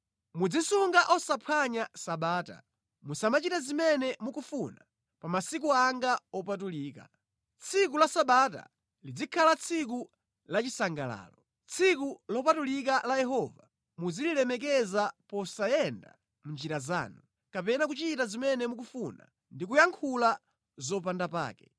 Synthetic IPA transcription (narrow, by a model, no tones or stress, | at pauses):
mud͡zisuŋɡaʔɔsapʰaɲasaɓaːta̰ | musamat͡ʃitazimɛnɛmukufuna | pamasik̬uaŋɡaɔpat̬uliːka̰ | t͡sʰik̬ulasaɓata̰ | lid͡zikʰalat͡sʰik̬u | lat͡ʃisaŋɡala̰ːlɔ | t͡sʰikulɔpatulik̬alajɛɦɔva | mud͡zililɛmɛkɛzapɔsajɛnda̰ | mund͡ʒiɾaza̰ːnu | kapɛnak̬ut͡ʃitazimɛnɛmuk̬ufuna̰ | ndikujaŋkʰula | zɔp̬andapa̰ːkɛ